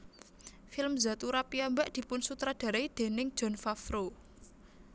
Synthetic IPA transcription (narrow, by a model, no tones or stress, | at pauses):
fɪlmza̤t̪uɾapiambaʔd̪̥i̤pʊnsut̪ɾad̪̥a̤ɾaid̪̥e̤nɪŋd̥ʒ̥ɔ̤nfafɾo